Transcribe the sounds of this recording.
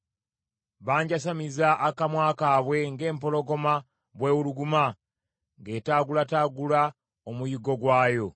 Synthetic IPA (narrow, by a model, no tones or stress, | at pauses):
βaːɲɟasamizaʔːkamwaːkaːβwe̞ŋɡe̞ːmpo̞lo̞ɡo̞ma | βwe̞ːβuluɡuma | ŋɡeːtaːɡulataːɡula | omujiɡo̞ɡwaːjo̞